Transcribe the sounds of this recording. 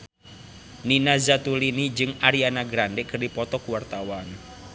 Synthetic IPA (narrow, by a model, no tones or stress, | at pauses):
ninazat̪ulinid͡ʒɨŋaɾianaɡɾandɛkərdipɔt̪ɔkuwart̪awan